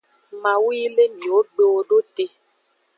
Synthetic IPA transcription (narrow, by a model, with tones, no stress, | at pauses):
ma˨wiː˦le˦m˨o˨˦ɡ͡be˦o˦do˦te˦